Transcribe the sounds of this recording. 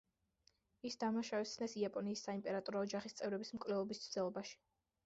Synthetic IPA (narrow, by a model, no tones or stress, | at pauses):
isd̪amaʃavɛsʰnɛsiapʼɔniːsːaimpʼɛɾat̪ʼɔɾɔːd͡ʒaχist̪sʼɛvɾɛbismkʼvlɛlˠɔbist̪sʰd̪ɛlˠɔbaʃi̥